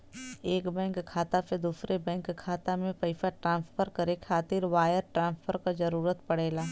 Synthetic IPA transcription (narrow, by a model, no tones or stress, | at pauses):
eːkbɛ̃ːŋkkʰːaːt̪aped̪uːsɾebɛ̃ːŋkkʰːaːt̪amẽpɐɪfaʈɾãːnspʰəɾkɐɾekʰaːt̪ɪɾʋaːjəɾʈɾãːnspʰəɾkad͡ʒɐɾuːɾət̪pɐɽeːlaː